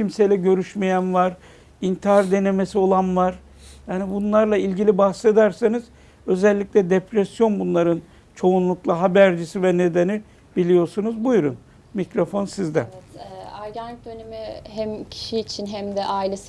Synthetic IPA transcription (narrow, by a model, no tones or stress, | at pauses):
cimse̞jlʲɛɟø̞ɾyʃmejænvaɾ | int̪ʰiaɾd̪e̞ne̞mesio̞lˠanvaɾ̥ | jaːnibunlˠaɾlˠailʲɟilʲibahse̞d̪æɾsaniz̥ | ø̞zɛlʲːicʲlʲɛd̪epɾɛsjo̞nbunlˠaɾɯn | t͡ʃʰo̞unlˠuklˠaɦabæɾd͡ʒisivɛne̞d̪eni | bilʲijo̞ɾsunuzbujɾṵn | micɾo̞fo̞nsizd̪ɛɛaɾɟan̚d̪ønemiɦæmcʰi̥ʃiːt͡ʃʰinɦæmd̪ɛʔaːilʲes